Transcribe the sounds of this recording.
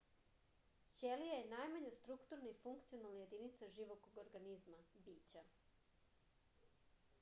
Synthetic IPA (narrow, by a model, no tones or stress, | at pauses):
t͡ɕelijajenaːjmaɲest̪ɾukt̪uɾnaifuŋkt̪sionalˠnaje̞d̪init̪saʒiʋokoɡoɾɡanizmabiːt͡ɕa